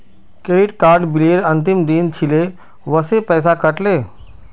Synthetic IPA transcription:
keiʈkaːɾɖbileːɽənt̪imd̪int͡ɕʰile | ʋəsepɛːs̬akəʈleː

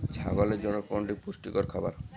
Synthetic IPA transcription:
d͡ʒʰʱa̰ɡɔled͡ʒɔnɔkɔɳɖipusʈikɔɾkʰɔbaɾ

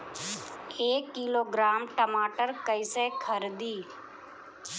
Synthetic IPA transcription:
eːkːiːloːɡɾaːmʈəmaːʈəɾkəɪseːkʰəɾd̪iː

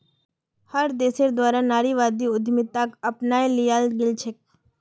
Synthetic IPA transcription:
həɾd̪eːseɾd̪waːɾanaːɾiʋaːd̪iʊd̪ʱmɪt̪ːakɐpnaːilɪjaːlɡɪlt͡ʃʰek̚

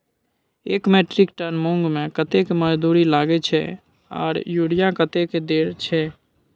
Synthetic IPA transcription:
eːkmeːʈɾɪkʈənmõŋɡmẽkət̪ekeməd͡ʒd̪uɾilaːɡet͡ʃʰɛ̰ | ɔ̰ːɾjuːɽijãkət̪eked̪eːɾt͡ʃʰɛ

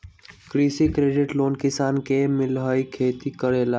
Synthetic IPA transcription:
kɾiːsikɾeːɖɪʈloːnkɪsaːnkemɪlɦaːikʰeːt̪ikəɽeːlaː

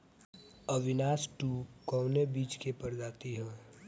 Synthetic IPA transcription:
əʋɪnaːsʈukɔʊnebiːt͡ʃkepəɾd͡ʒaːt̪iɦɛ̃ː

